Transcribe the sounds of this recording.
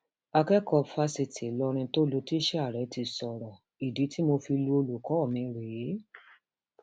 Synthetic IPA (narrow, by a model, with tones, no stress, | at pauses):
a˧kɛ˦kɔ˧fa˧si˧ti˨˦lɔ˧ɾ̃ĩ˧to˦lo˧ti˦ʃɛ˦a˦˨ɾɛ˨˦ti˧sɔ˨ɾɔ˨ | i˨di˨˦ti˦mo˧fi˧lu˦o˧lu˨kɔ˨˦ɔ˦˨mĩ˨˧ɾe˨˦